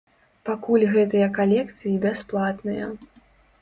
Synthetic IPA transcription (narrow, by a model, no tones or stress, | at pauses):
pakulʲɣɛt̪ɨjɐkalʲɛkt̪sɨjibʲasplˠat̪nɨjɐ̰